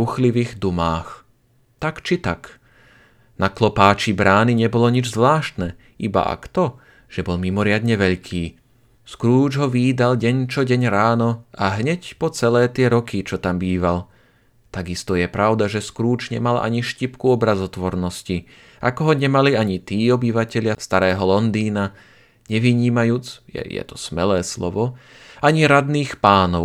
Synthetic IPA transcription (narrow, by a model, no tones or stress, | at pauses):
uxliʋiːɣd̪umaːx | t̪akt͡ʃit̪ak | naklɔpaːt͡ʃibɾaːniɲɛbɔlɔɲid͡ʒzʋlaːʃt̪nɛ | iba̰ʔa̰kt̪ɔ | ʒ̥ɛbɔlmimɔɾɪad̪ɲɛʋɛʎkʰiː | skɾuːd͡ʒɦɔʋiːd̪alɟɛɲt͡ʃɔɟɛɲɾaːnɔaɦɲɛcpɔt͡sɛlɛːt̪ɪɛɾɔkit͡ʃɔt̪ambiːʋal | t̪aɡist̪ɔjɛpɾaʊd̪aʒɛskɾuːd͡ʒɲɛ̰mala̰ɲiʃcipkuɔbɾazɔt̪ʋɔɾnɔsci | ʔakɔɦɔɲɛmaliaɲit̪iːɔbiʋacɛʎɪast̪aɾɛːɦɔlɔnd̪iːna | ɲɛʋiɲiːmajuːt͡sjɛ̰jɛ̰t̪ɔ̥smɛlɛːslɔ̰ʋɔ | aɲiɾad̪niːxpaːnɔʊ